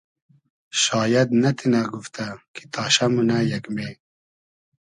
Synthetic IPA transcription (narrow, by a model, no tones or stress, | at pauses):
ʃɑːjɐd̪nɐt̪ʰinaɡuft̪ʰɐkʰi̥t̪ʰaːʃɐmunɐjɐkme